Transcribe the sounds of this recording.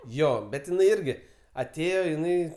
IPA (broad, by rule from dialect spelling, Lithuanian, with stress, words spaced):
ˈjoː bʲɛt ɪˈnɐɪ ˈɪrʲɡʲɪ ɐˈtʲeːjoː ɪˈnɐɪ